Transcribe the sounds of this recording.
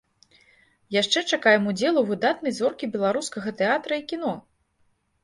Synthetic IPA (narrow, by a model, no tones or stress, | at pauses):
jaʂt͡ʂɛt͡ʂakajɛmud͡zʲɛlˠuvɨd̪at̪nɐjzɔrkʲibʲɛlˠaɾuskɐɣɐt̪ɛat̪ɾɐikʲin̪ɔ